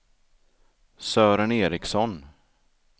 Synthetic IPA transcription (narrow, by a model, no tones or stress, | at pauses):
sœːɾəneːɾɪksɔn